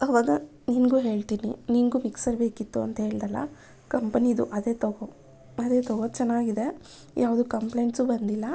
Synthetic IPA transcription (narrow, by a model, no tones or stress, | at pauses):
ɐʋaːɡɐ | niːnɡuːɦe̞ːɭt̪iːnḭniːnɡuːmiksɐɾbeːkit̪ːuɐ̰nt̪ɐɦe̞ːɭd̪ɐlːɐ̰ | kɐmpɐnid̪uʔɐd̪e̞ːt̪oɡo | ɐd̪e̞ːt̪oɡot͡ʃɛnːaːɡid̪e̞ | jʔaːʋud̪ukɐmplejɳʈsuːbɐnd̪ilːɐ